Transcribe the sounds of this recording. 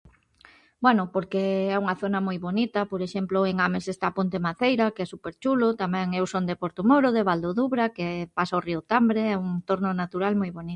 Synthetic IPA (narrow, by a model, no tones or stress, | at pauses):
bwɛnʊpoɾkeɛuŋɐθonɐmojβonit̪ɐpoɾeʃemplʊeŋamesest̪apont̪emaθejɾɐkɛsupeɾt͡ʃulʊt̪amɛ̃ŋewsond̪epoɾt̪umoɾʊðeβald̪oðuβɾakepasaoriʊt̪ambɾeɛuŋt̪oɾnonat̪uɾalmojβoni